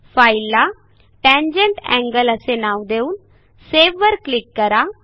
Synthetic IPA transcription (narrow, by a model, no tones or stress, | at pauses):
failːa | pɛ̃ɲd͡ʑeɳʈɛ̰̃ŋɡələsenaʋd̪euːn | seʋːəɾklikːəɾa